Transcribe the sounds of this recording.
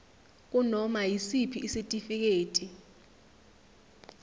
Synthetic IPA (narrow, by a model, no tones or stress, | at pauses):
k̬ʼunɔmajisipʰiʔːsitʼifik̬eːtʼi